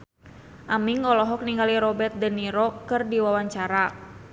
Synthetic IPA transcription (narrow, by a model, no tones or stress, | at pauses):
ʔamiŋɔlɔɦɔk̚niŋɡaliɾɔbɛt̪̚dəniɾɔkɨrdiwawaɲt͡ʃaɾa